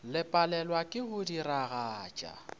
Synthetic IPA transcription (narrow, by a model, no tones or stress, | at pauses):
lɪpʼalɛlwakʼɪɣʊdiraɣaːt͡ʃʼa̰